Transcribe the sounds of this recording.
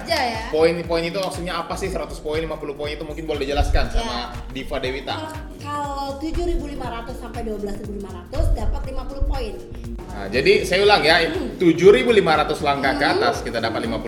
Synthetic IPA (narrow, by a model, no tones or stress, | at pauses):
d͡ʒajapoɪnpoinit̪uwaksuk̚ɲaːpasɪhsəɾat̪ʊspoinlimapulʊpoinit̪umuŋkɪnbolɛdid͡ʒəlaskansamadifadewit̪a̰ | kalat̪ud͡ʒʊɾibulimaɾat̪ʊsːampajduabəlasɾibulimaɾat̪ʊsdapat̪limapulʊhpoɪn | a̰d͡ʒadisajaulaŋjat̪ud͡ʒʊɾibulimaɾat̪ʊslaŋkakat̪askit̪adapat̪̚limapu